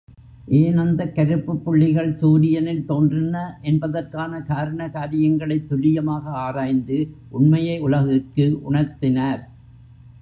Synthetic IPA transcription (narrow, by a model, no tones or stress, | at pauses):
ʔeːnɐnd̪ɐkɐɾɯpːɯpːʊɭːɪɣɐɭsuːɾɪjɐnɪlt̪oːndrɪnɐʔɛnbɐðɐrkaːnɐkaːɾɐɳɐkaːɾɪjɐŋɡɐɭɐɪt̪ːʊlɪjɐmaːɣɐaːɾaːjnd̪ɯʔʊɳmɐjɐɪʊɭɐɣɪrkɯʔʊɳɐɾt̪ɪnaːɾ